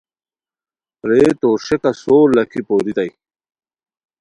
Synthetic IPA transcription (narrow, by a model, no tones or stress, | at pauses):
ɾeːt̪oːʂekasoːɾlɐkʰipoːɾit̪ɐj